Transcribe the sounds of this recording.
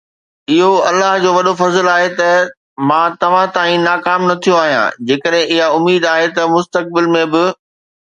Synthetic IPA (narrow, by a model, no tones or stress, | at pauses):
ɪɦoɐlːaɦd͡ʑoːʋɐɗofɐzəlaːɦet̪ɐ | mãːt̪ɐʋ̤ãt̪aːĩnaːkaːmnɐt̪ʰijoaːɦijã̰d͡ʑeːkəɗɦẽʔɪɦaʊmːiːd̪aːɦet̪ɐmʊst̪ək̚bɪlmẽbɪ